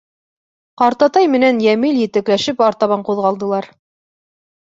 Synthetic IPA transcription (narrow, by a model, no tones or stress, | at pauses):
qɑɾt̪ɑt̪ɑjmɘ̆nænjæmiljɘ̆t̪ɘ̆klæʃɘpɑɾt̪ɑβɑɴquðʁɑlˠd̪ɤ̆lˠɑɾ